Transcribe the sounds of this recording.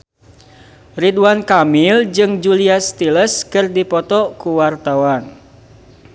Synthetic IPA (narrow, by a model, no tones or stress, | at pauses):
riduankamild͡ʒɨŋd͡ʒuliast̪iləskɨrdipɔt̪ɔkuwart̪awan